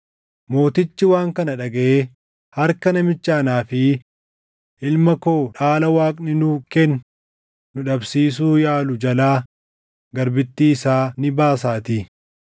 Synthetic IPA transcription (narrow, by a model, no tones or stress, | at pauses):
mo̞ːt̪ɪt͡ʃːɪwaːŋkɐnɐᶑɐɡɐʔeː | hɐɾkɐnɐmɪt͡ʃːaːnaːfɪ | ʔɪlmɐko̞ːᶑaːlɐwaːkʼnɪnʊkɛnː | ʊᶑɐbsiːs̬uːjaːlʊd͡ʒɐlaː | ɡɐɾbɪt̪ːiːsaːnɪbaːs̬aːt̪ɪ